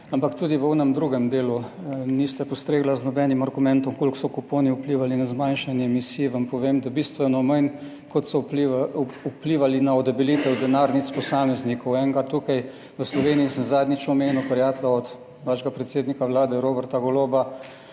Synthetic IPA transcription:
ampakt̪ud̪iʋəuːnɛmd̪ɾuːɡɛmd̪eːlunist̪apɔst̪ɾeːɡlaznɔbɛnimaɾɡumɛnt̪ɔmkolksɔkupoːniupliːʋalinazmanʃanjɛɛmisiːʋampɔʋeːmd̪abiːst̪ʋɛnɔmajn | kɔt̪sɔpliupliʋalinaɔd̪ɛbiliːt̪ɛwd̪ɛnaːɾnit̪spɔsaːmɛznikɔwɛŋɡat̪ːuːkaj | ʋəslɔʋeːniisəmzaːd̪nit͡ʃɔmeːnupɛɾjaːt̪laɔt̪ | ʋaʃɛɡapɾɛt̪seːd̪nikaʋlaːd̪ɛɾoːbɛɾt̪aɡɔloba

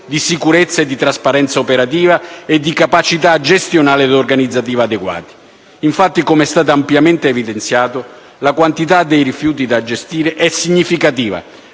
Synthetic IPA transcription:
d̪isikuɾet̪sːaed̪ːit̪ɾaspaɾɛnt̪saopeɾat̪iːvaed̪ːikapat͡ʃit̪aːd͡ʒɛst̪jonaːlɪd̪orɡanid̪zːat̪iːvaːd̪eɡwa̰ːt̪i̥ | iɱfat̪ːikomɛst̪aːt̪̬aampjament̪eːvid̪ent̪sjaːt̪ʊ | lakwant̪it̪ad̪ːejrifjuːt̪̬id̪ad͡ʒːest̪iːɾɪʔɛsːiɲːifikat̪iːva̰

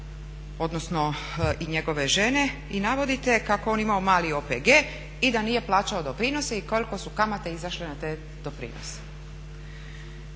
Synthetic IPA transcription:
o̞d̪nosno̞ | iɲe̞ɡo̞ʋe̞ʒe̞ne̞ | inaʋo̞d̪it̪e̞kako̞o̞nimaomaːlio̞ːpeɡe̞ː | id̪aniːje̞plˠaːt͡ɕao̞d̪o̞pɾino̞seiko̞liko̞sukamat̪e̞izaʃlenat̪eː | d̪̥o̞pɾḭːno̰se̥

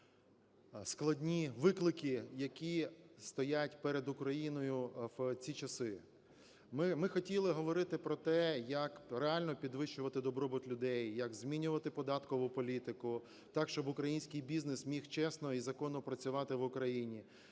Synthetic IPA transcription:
sklˠɐdʲnʲiʋɪklˠɪkɪjɐkʲist̪ɔjatʲpɛɾed̪ʊkɾɐjinɔjʊt͡sʲit͡ʃɐsɪ | mɪmɪxɔtʲilˠɪɦɔʋɔɾɪt̪ɪpɾɔt̪ɛjɐkɾeɑlʲnɔpʲid̪ʋɪʃt͡ʃʊʋɐt̪ɪd̪ɔbɾɔbʊt̪lʲʊd̪ɛjːɐɡzmʲinʲʊʋɐt̪ɪpɔd̪ɑt̪kɔʋʊpɔlʲit̪ɪkʊ | t̪ɑkʃt͡ʃɔbʊkɾɐjinʲsʲkɪjbʲiznesmʲixt͡ʃɛsnɔizɐkɔnʊpɾɐt͡sʲʊʋɑt̪ɪʋʊkɾɐjinʲi

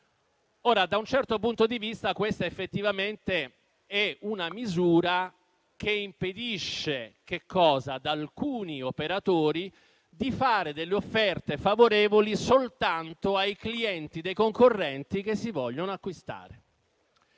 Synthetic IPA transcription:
oːɾad̪aunt͡ʃɛrt̪opunt̪od̪ivist̪akwest̪aefːet̪ːivament̪e | ɛunamizuːɾa | keimped̪iʃːek̟ekʰːɔːzad̪alkuːniopeɾat̪oːɾi | d̪ifaːɾed̪elːeofːɛrt̪efavoɾɛːvolisolt̪ant̪oajkliɛnt̪id̪ejkoŋkorːɛnt̪ik̟esːivɔʎːonoakːwist̪a̰ːɾe

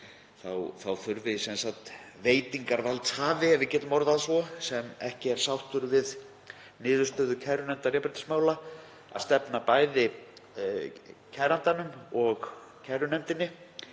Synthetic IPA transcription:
θawθawθʏɾvɪsɛnsak̚t̪ | veːjt̪iŋkaɾvalt̪shaːvɪɛvɪcɛːt̪ʏmɔɾðaðsvɔsɛmɛhcɪɛɾ̥sawht̪ʏɾvɪð | nɪːðʏɾst̪œːðʏcʰɛɾʏnɛmt̪arɛːpɾɪt̪ɪ̥smaːwla | a̰ðst̪ɛpnapaːjðɪ | cʰɛɾant̪anʏmɔɣcʰɛɾʏnɛmt̪ɪnːɪ

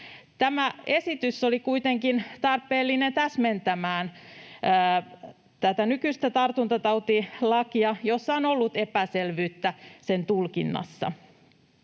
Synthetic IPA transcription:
t̪æmæe̞sit̪ysolikuit̪eŋkint̪ɑrpːˑeːlːinent̪æsment̪æmæːnː | t̪æt̪ænykyst̪æt̪ɑrt̪unt̪ɑt̪ɑut̪ilɑkiɑjosːɑonolːut̪epæselʋyːt̪ːæse̞nt̪ulkḭnːɑ̰sːɑ̰

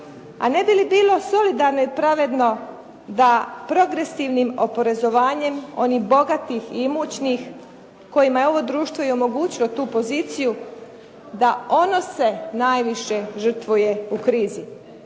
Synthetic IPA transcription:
a̰ne̞bilibiːlˠo̞so̞lid̪aɾnoipɾaʋe̞d̪no̞ | d̪apɾo̞ɡɾe̞siʋnimo̞po̞ɾe̞zo̞ʋaːɲe̞mo̞̰niɣbo̞ɡat̪iximut͡ɕnix | ko̞jimajeo̞ʋo̞d̪ɾuːʃt̪vʋo̞jeomo̞ɡuːt͡ɕilo̞t̪uːpo̞ziːt̪siju | d̪ao̞nose̞naːjʋiʃe̞ʒər̩t̪ʋuje̞ukɾiːzi

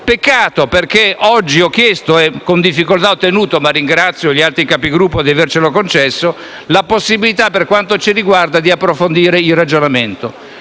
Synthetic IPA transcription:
pekːaːt̪operkeɔd͡ʒːiɔk̟ːjɛst̪oɛkːond̪ifːikolt̪aot̪ːenuːt̪omarːiŋɡɾat̪sːjoʎialt̪ɾikapiɡɾupːod̪iavert͡ʃelokont͡ʃɛsːo | laposːibilit̪apːerkwant̪ot͡ʃiɾiɡward̪ad̪iapːɾofond̪iːɾeilrad͡ʒonament̪o

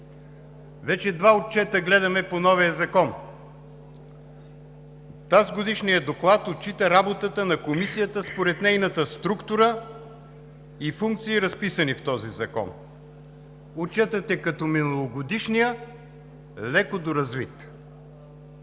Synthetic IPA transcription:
vɛt͡ʃɛd̪vaot̪̚t͡ʃɛt̪əɡlɛd̪ɐmɛponɔvijəzɐkɔn | t̪azɡod̪iʃnijəd̪oklˠat̪ot̪̚t͡ʃit̪əɾabot̪ət̪ənɐkomisijət̪əspoɾɛt̪nɛjnət̪əst̪ɾukt̪uɾə | ifuŋk̚t̪siːɾɐspisənift̪ɔzizɐkɔ̰n | ot͡ʃɛt̪ɐt̪ɛkɐt̪ɔminˠɐlˠoɡod̪iʃnijə | lɛkod̪oɾɐzvit̪

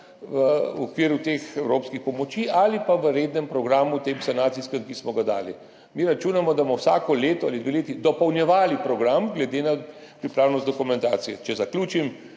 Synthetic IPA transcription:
ʋəɔkʋiːɾjut̪eːxɛwɾoːpskixpɔmɔt͡ʃiʔalipaʋəɾeːd̪nɛmpɾɔɡɾaːmut̪emsanaːt̪siskɛmkismɔɡad̪a̰ːlḭ | miːɾat͡ʃuːnamɔd̪amɔwsaːkɔleːt̪ɔalid̪ʋeleːt̪id̪ɔpɔwnjɛʋaːlipɾɔɡɾamɡlɛd̪ena | pɾipɾaːwnɔst̪d̪ɔkumɛnt̪aːt̪sijɛt͡ʃɛzaklʲuːt͡ʃim

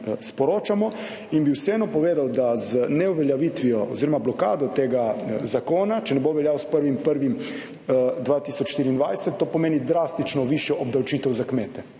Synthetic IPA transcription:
spɔɾoːt͡ʃamɔ | inbiwsɛɛnɔpɔʋeːd̪awd̪aznɛuʋɛljaʋiːt̪ʋiɔo̰ziːɾɔmablɔka̰ːd̪ɔt̪eːɡazakoːnat͡ʃɛnɛboʋɛljaːwspəɾʋimpəɾʋim | d̪ʋaːt̪iːsɔt͡ʃʃt̪iːɾind̪ʋajsɛt̪ːoːpɔmeːnid̪ɾaːst̪it͡ʃnɔʋiʃjɛʔɔb̚d̪awt͡ʃiːt̪ɛwzakmeːt̪ɛ

